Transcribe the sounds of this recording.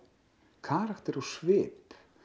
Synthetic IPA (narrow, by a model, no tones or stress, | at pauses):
kʰaːɾakt̪ɛɾawsvɪːp